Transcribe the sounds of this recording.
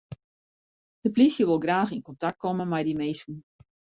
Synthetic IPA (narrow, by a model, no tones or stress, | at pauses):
d̥əplisjəʋolˠɡraːxinkɔntak̚kɔmənmɛjdimeːskn̩